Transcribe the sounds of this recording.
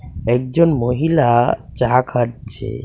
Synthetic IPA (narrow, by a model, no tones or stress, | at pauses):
ɛk̚d͡ʑonmoɦilat͡ɕakʰaʈ̚t͡ɕʰḛ